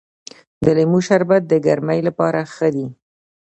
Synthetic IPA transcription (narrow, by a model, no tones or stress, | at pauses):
d̪əlemuʃaɾbat̪̚d̪əɡaɾmajlapɑɾaxəd̪i